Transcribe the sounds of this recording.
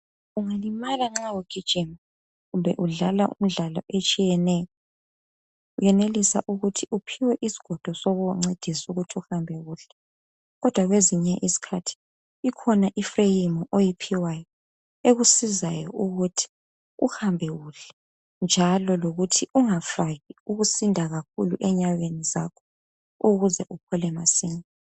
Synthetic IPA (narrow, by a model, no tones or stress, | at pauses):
uŋalimalaŋ͡ǁawoɡ̥ʱid̥ʒ̥ʱim | ɣumbʱɛʔuɮalaʔṵm̩ɮalɔ̰ʔet͡ʃʼijɛnɛjɔ | ujɛnelisa̰ʔuɣutʰiupʰiwɛʔisi̥ɡ̥ʱɔd̥ʱɔsɔɣuŋ͡ǀed̥ʱisuɣutʰiuhambʱɛɣuɬɛ | ɣɔd̥ʱwaɣweziɲɛʔisi̥kʰatʰi̥ | ikʰɔnaʔifrejimɔʔojipʰiwajɔ | eɣusizajɔ̰ʔuɣutʰi̥ | ṵhambʱɛɣuɬɛ̥ | nd͡ʒʱalɔloɣutʰiuŋafaɣiuɣusindʱaɣak̚ʰuluʔɛɲaɣenizakʰɔ̥ | uɣuzɛʔupʰɔlɛmasiːna